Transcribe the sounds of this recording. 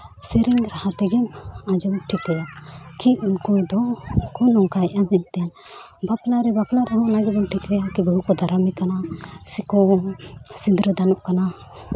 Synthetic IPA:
sɛɾiŋɾahat̪ɛɡɛmãd͡ʒɔmʈʰikɛjakiunkɔd̪ɔkɔnɔŋkajɛʔamɦɛɲt̪ɛjan | baplaɾɛbaplaɾɛɦɔ̃ʔnaɡɛbɔnʈʰikɛjakibəɦukɔd̪ʱaɾamikanasikɔ | sind̪ɾəd̪anɔʔkana

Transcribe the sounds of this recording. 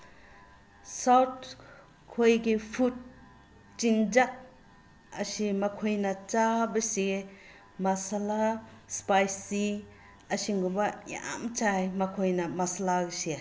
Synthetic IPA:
sawt̚ | kʰojɡipʰut̚ | t͡ʃiŋd͡ʒak̚ | ɐ̰simɐkʰojnɐt͡ʃabɐsi | masalaspajsːi | ɐsiŋɡubɐja̰mt͡ʃajmɐkʰojnɐmasalaɡisi

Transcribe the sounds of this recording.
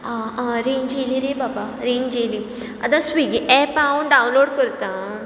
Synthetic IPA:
aɾeːɲd͡ʒeːliɾebaːbaɾeːɲd͡ʒeːlĩ | ɐ̰d̪ãswiɡeʔɛːpaũɖaːwnloːɖkəɾt̪aː

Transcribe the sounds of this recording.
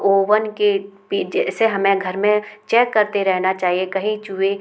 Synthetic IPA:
oːʋənkepid͡ʒɛseɦɐmẽɡʱɐɾmẽt͡ʃɛːkːɐɾt̪eɾɛɦnat͡ʃaːɦiekɐɦĩt͡ʃue

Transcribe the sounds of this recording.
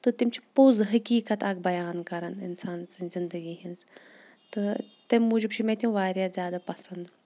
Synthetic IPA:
t̪ɨt̪imt͡ʃʰi̥pozɦɐkiːkɐt̪ɐɡ̚bɐjaːnkɐɾɐnɪ̰nsaːnt͡sɨnzind̪əɡiːɦinz | t̪ɨt̪ɐmːuːd͡ʒəbt͡ʃʰimẽt̪ʲjũʋaːɾʲjaːzʲjaːd̪apɐsɐnd̪

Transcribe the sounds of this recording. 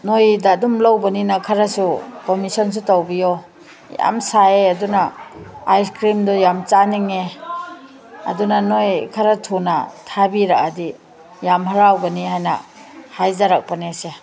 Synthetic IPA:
nojdadumlawbaninakʰaɾasukɔmisɔns̬utawbijɔ | ja̰msaeadunaajskɾimdɔjamt͡ʃaniŋe | ɐ̰dunanojkʰaɾatʰuna̰tʰabiɾakadi | jamɦaɾawɡɐnihajnɐ̰hajzaɾak̚panese

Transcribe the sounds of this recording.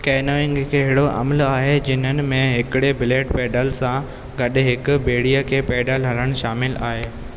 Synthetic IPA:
kɛːnəʋɪ̃ŋɡkʰeɦɪɽoʔɐ̰məlaːɦed͡ʑɪnənɪ̆mẽɦɪkɪɽebɪleːʈpeːɖəlsã | ɡɐɗɪɦɪkʊ̆beːɽijəkʰeːpeːɖəlɦɐləɽ̃ʃaːmɪla̰ːɦeː

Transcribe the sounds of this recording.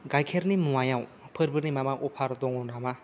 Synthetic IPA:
ɡajkʰeɾnimuajaw̃pʰɯɾbɯɾnimamaʔɔpʰaɾd̪ɔŋɔnama

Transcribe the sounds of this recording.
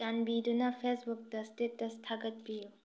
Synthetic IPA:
anbidunɐpʰesbuk̚dɐstetːɐstʰaɡɐt̚piju

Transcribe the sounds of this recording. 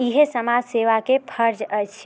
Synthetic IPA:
iɦesəmad͡ʒseʋakepʰəɾd͡ʒəjt͡ʃʰ

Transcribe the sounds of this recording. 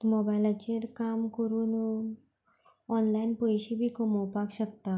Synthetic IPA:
mobajlat͡ɕeɾkamkəɾuːn | ɔnlainpəjɕibʱiːkəmowpakɕək̚t̪a

